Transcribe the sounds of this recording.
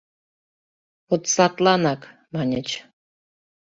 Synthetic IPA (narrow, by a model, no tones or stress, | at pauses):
ot̪sɑt̪lˠɑnɑk | mɑnʲet͡ɕ